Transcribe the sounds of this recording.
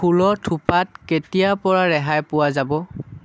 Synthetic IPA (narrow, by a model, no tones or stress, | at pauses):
ulɔtʰupat̚ketijapɔɹaɹɛɦajpʊwazabɔ